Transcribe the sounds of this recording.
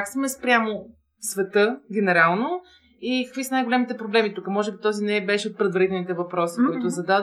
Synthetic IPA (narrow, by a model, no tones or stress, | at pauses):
aksmɛspɾʲamo | svɛt̪ɤɡʲɛnɛɾalˠno | ikə̥kvisənajɡolʲɛmit̪ɛpɾoblɛmit̪ukəmɔʒɛbit̪ɔzinɛbɛʃɛot̪̚pɾɛd̪vɐɾit̪ɛlˠnit̪ɛvɐpɾɔsikoit̪ʊzɐd̪ad̪